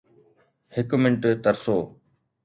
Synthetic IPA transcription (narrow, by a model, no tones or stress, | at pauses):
hɪkmɪ̃ɳʈt̪ɐɾsoː